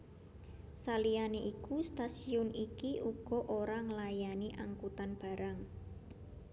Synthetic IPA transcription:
salijaneʔikust̪asiʊnikiʔuɡ̥ɔ̤ʔoɾaŋəlajaniʔaŋkut̪anb̥a̤ɾaŋ

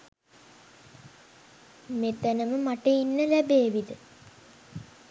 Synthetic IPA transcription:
met̪ənəməmaʈəinːəlæbeːʋid̪ə

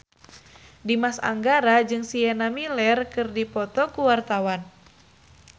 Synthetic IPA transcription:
dimasa̰ŋɡaɾad͡ʒɨŋsiɛnamilɛrkɨrdipɔt̪ɔkuwart̪awan

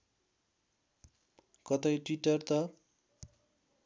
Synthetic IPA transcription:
kʌt̪ʌjʈwiʈʌrt̪ʌ

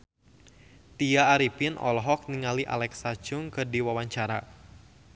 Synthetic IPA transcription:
t̪iaːɾipɪnʔɔ̰lɔɦɔk̚niŋaliʔa̰lɛksḁd͡ʒʊŋkɨrdiwawaɲt͡ʃaɾa̰

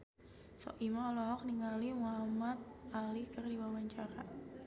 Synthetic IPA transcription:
sɔ̰ʔimaɔlɔɦɔk̚niŋɡalimuɦamat̪̚alikərdiwawaɲt͡ʃaɾa̰

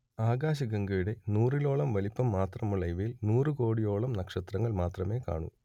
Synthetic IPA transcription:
aːɡaːɕ̬ɐɡɐŋɡɐuɽe̞nuːrilo̞ːɭɐmʋɐlipːɐmːaːt̪rɐmuɭɐjʋɐjilnuːrɨko̞ːɽijo̞ːɭɐmnɐkʂɐt̪rɐŋːɐɭmaːt̪rɐme̞ːka̰ːɳṵ

